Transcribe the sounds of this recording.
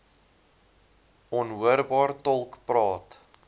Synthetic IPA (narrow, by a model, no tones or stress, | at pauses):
ɔnɦuəɾbɑːrtɔlˠkprɑːt